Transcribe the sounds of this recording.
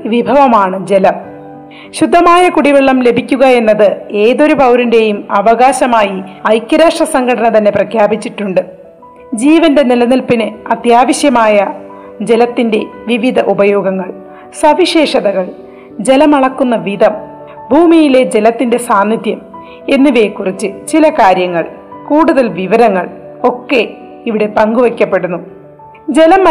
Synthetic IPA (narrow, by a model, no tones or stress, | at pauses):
ʋibʱɐʋɐmaːɳɨd͡ʑe̞lɐm | ɕud̪ʱːɐmaːjɐkuɽiʋeɭːɐmle̞bʱikʲːuɣɐe̞nːɐðɨe̞ːðo̞ɾupɐwɾinde̞jumɐʋɐɣaːɕɐmaːjiɐjkʲːɐɾaːʂrɐsɐŋɡʰʱɐɽɐnɐt̪ɐnːe̞prɐkʰjaːbit͡ɕːiʈːuɳɖɨ | d͡ʑiːʋɐnde̞nilɐnilpinɨɐt̪jaːʋɐɕjɐmaːjɐ | d͡ʑe̞lɐt̪ːinde̞ʋiʋid̪ʱɐʔubɐjo̞ːɡɐŋːɐɭ | sɐʋiɕe̞ːʂɐðɐɣɐɭ | d͡ʑe̞lɐmɐɭɐkːunːɐʋid̪ɐm | bʱuːmijile̞d͡ʑe̞lɐt̪ːinde̞saːnːid̪jɐm | e̞nːiʋe̞ːkːurit͡ɕːɨt͡ɕilɐkaːɾjɐŋːɐɭkuːɽuðɐlʋiʋɐɾɐŋːɐɭ | o̞kːe̞ | iʋiɽe̞pɐŋɡuʋekʲːɐpːe̞ɽunːu | d͡ʑe̞lɐm